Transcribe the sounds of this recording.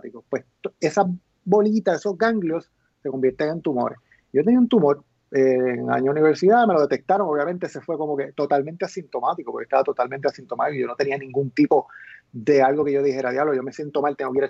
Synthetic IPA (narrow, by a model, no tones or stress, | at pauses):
t̪ikopwest̪oe̞sa | bo̞lit̪asesozɡaŋɡljo̞sː | eko̞mbje̞ɾt̪eŋe̞nt̪umo̞̰ɾes | ɟ͡ʝo̞t̪e̞niaunt̪umo̞ɾ | eŋa̰ɲouniβeɾsiðame̞lo̞ð̞et̪ek̚t̪aɾo̞ŋoβjamẽnt̪eesefwe̞ko̞moke̞t̪o̞t̪almẽnt̪easint̪o̞mat̪ikopoke̥t̪aβat̪o̞t̪alment̪easint̪o̞mat̪ikoiʝo̞no̞t̪enianĩŋɡunt̪ipo̞ðe̞alɡo̞ke̞ʝo̞ðihe̞ɾaðjaβloʝo̞me̞sje̞nt̪o̞malt̪eoβjeɾa